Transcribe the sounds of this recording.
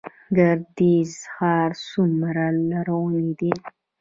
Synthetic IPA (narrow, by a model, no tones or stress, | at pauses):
ɡaɾd̪izxɑɾsumɾalaɾawənid̪i